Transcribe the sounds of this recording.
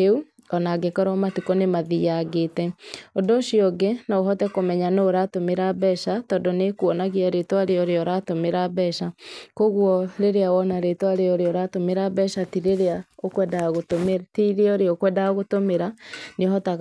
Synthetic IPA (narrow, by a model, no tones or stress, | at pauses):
eu | ɔnaɡekɔɾɔmatikonemaðiaɣeːtɛodoʃiɔɡenaoɦɔtɛkomɛɲanoɾatomeɾabɛʃatɔdonekuɔnaɣiaɾetwaɾeoɾeɔɾatomeɾabɛʃakoɣwɔɾeɾeawɔnaɾetwaɾeoɾeɔɾatomeɾabɛʃatiɾeɾeaokwɛdaɣotometiɾeoɾeɔkwɛdaɣotomeɾaneɦɔtaɣ